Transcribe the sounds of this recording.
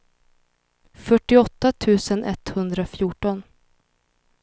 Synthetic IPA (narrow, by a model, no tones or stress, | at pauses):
fœʈːɪɔt̪ːat̪ʰʉ̟ːsənʔɛt̪hɵnd̪ɾafjuːʈɔn